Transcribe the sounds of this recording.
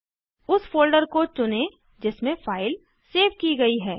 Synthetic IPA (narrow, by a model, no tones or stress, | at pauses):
ʊsfoːlɖəɾkot͡ʃʊne | d͡ʒɪsmẽfaːɪl | seːʋkiɡɐiɦɛː